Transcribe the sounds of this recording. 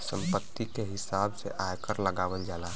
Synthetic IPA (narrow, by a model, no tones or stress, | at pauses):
sə̰mpət̪ːikeɦisabsḛʔajkəɾləɡaːʋəld͡ʒala